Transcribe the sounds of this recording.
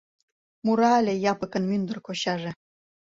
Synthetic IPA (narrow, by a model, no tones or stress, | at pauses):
muɾɑlʲĕjɑpɤ̆kɤ̆nmynd̪ə̆rkoɕɑʐĕ